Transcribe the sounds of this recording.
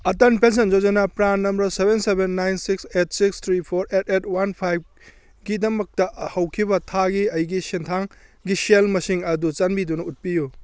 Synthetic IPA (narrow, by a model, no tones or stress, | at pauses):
ɐtɐnpens̬end͡ʒod͡ʒɐnapɾanːɐmbɐɾsebensebenːajnsikset̚sikst̪ʰɾipʰoɾetetʰwanpʰajb̚ | ɡidɐmɐk̚tɐhɐwkʰibɐtʰaɡiɐjɡisintʰaŋɡiselmɐsiŋɐdut͡ʃɐnbidunɐut̚piju